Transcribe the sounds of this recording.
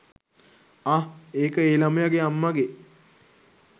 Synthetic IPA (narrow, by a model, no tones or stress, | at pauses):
aeːkəeːlaməjaɡeamːaɡe